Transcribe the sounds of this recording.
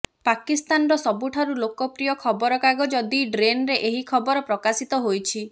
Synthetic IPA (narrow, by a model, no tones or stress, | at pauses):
pakist̪anɔɾɔsɔbuʈʰaɾulokɔpɾijɔkʰɔbɔɾɔkaɡɔd͡ʒɔd̪iɖɾenɾeʔeɦikʰɔbɔɾɔpɾɔkasit̪ɔɦojt͡ʃʰi